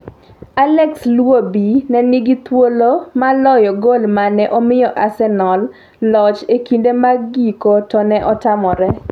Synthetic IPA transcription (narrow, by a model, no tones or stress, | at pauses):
alɛkslwobinɛniɡit̪wolomalɔjɔɡolmanɛʔɔmɪjɔʔasɛnɔl | lɔt͡ʃekindemaɡikotɔnɛʔɔtamɔɾɛ